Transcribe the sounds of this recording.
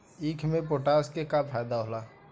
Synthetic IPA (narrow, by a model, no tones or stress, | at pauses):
iːkʰmẽp̬oːʈaskekapʰajd̪aɦola